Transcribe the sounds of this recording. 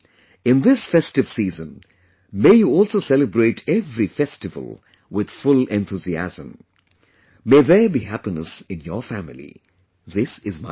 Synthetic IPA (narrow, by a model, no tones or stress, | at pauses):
ɪ̃nðɪsfɛstɪvsiːzə̃n | meːjuɔːlsoːsɛlɨbɾeːʈʰɛvɾifɛstɨvə̰lˠ | wɪd̪̥fʊlɛ̃nt̪uziæ̰zə̰̃m | meːðəbiɦæpinəsɪ̃njɔfæmɪlḭ | ðɪsɪzma̰